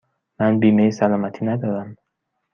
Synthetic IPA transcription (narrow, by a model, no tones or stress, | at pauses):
mænbiːmejsælɒːmæt̪ʰiːnæd̪ɒd̪æm